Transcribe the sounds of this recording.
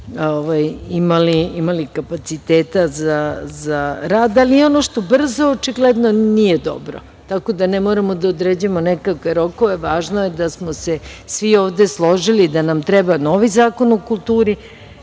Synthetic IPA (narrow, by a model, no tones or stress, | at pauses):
oʋajimaliimalikapat̪sit̪eːt̪azazaɾaːd̪alijeo̞noʃt̪o̞br̩zoːt͡ʃiɡled̪no̞nijed̪o̰bɾo̰ | t̪ako̞d̪anemoːɾamo̞d̪aod̪ɾeːd͡ʑuemonekakʋeɾo̞ko̞ʋeʋaːʒnojed̪asmosesʋioːʋd̪e̞slˠo̞ʒilid̪anamt̪ɾɛbano̞ːʋizaːkonokulˠt̪uːɾi